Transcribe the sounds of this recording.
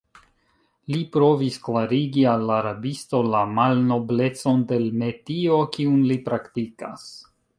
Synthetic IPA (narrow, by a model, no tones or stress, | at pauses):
lipɾo̞visklaɾiɡialːaːɾabisto̞lamalno̞ble̞t͡so̞nde̞lme̞tio̞kiunlipɾaktika̰s